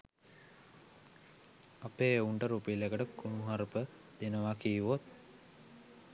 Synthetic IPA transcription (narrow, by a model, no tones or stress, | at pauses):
apeːeuɳʈəɾupilekəʈəkunuɦaɾpə | d̪enəʋakijʋot̪̚